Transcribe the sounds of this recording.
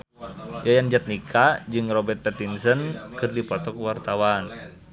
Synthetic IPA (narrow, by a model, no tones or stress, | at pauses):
jajand͡ʒat̪̚nikʰad͡ʒɨŋrɔbɛrt̪̚pɛt̪insənkɨrdipɔt̪ɔkwart̪awan